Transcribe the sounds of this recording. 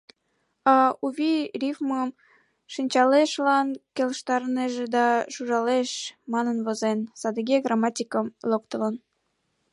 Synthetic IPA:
ɑuβʲirʲifməm | ʃinʲt͡ɕɑleʃlɑnkeləʃt̪ɑɾneʒed̪ɑʃuʒɑleʃmɑnənβozensɑd̪əɣeɡrɑmɑtʲikəmlokt̪ələn

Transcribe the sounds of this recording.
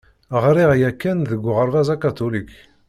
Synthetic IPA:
əʁɾiʁjækːænðəɡʷʁəɾˤvæzakat̪ulik

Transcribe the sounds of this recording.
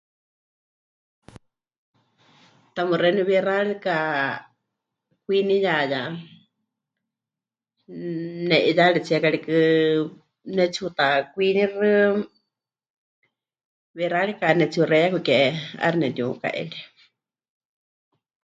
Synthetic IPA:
t̪amɨɾɛniβɛraɺka | kʷinijaja | nɛʔiðaɺɛt͡sʰiɛkaɺikɨ | nɛt͡sʰut̪akʷinirɨ | βɛraɺikanɛt͡sʰurɛjakukɛa̰ɾinɛd̪iuka̰ʔɛ̰ɺi

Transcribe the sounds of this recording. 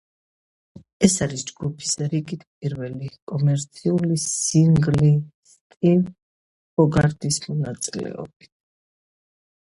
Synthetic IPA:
ɛsaɾisd͡ʒɡupʰi̥sɾiɡit̪ʰpʼiɾvɛlikʼɔmɛɾt̪sʰiulisiŋɡlist̪ʼin | pɔɡaɾd̪ismɔnat̪sʼilɛ̰ɔ̰bi

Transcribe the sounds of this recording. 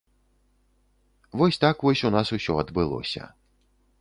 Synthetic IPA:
vɔsʲt̪akvɔsʲunasusʲɔɐd̪bɨlˠɔ̰sʲɐ̰

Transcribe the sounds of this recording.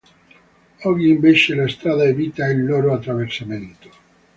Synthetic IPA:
ɔɡiimbeʃelaest̪ɾaðaeviːt̪ailːoɾoat̪ːɾaversamẽnt̪o̥

